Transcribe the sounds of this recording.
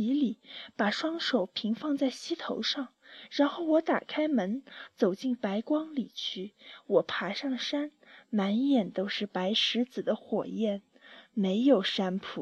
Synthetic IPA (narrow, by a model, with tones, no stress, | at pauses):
i˧˥li˨˩˦pa˨˩ʂwɑ˥ŋʂo˨˩ʊpʰi˧˥ŋfɑ˥˧ŋt͡sa˥˩ɪɕi˥t̪ʰo̰˧˥ʊʂɑ˥˩ŋɻa˧˥nxo˥˩ʊwɔ˧˥t̪a̰˨˩kʰa˥ɪmə˧˥nt͡so˨˩ʊt͡ɕi˥˩npa˧˥ɪkwɑ˥ŋli˨˩t͡ɕʰy˥˩wɔ˨˩pʰa˧˥ʂɑ˥˩ŋʂa˥n | ma˧˥njɛ˨˩nt̪o˥ʊʂɻ̩˥˩pa˧˥ɪʂɻ̩˧˥d͡zɹ̩˨˩d̪ə˦xwɔ̰˨˩jɛ˥˩n | me˧˥ɪjo˨˩ʊʂa˥npʰu˨˩